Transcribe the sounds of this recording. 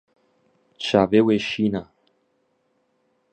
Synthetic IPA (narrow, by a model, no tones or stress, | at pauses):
t͡ʃaveweʃina